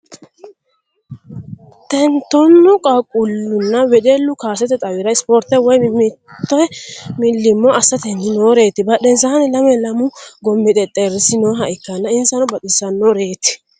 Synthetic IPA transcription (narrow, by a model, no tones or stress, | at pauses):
t̪ɛnt̪ːɔnːʊkʼakʼːʊlːʊnːɐwɛᶑɛlːʊkaːsɛt̪ɛt̪ʼɐwɪɾɐɪspɔɾt̪ːɛwɔjmɪt̪ːɔɛmɪlːɪmːɔɐsːɐt̪ɛnːɪnoːɾe̞ːt̪ːɪbɐɗɛns̬anɛlɐmɛlɐmʊɡɔmːɪt̪ʼɛt̪ʼeɾɪsɪnoːɦɐʔɪkːɐnːɐɪnsɐnɔbɐt̪ʼːɪsɐnːɔɾe̞ːt̪ɪ̥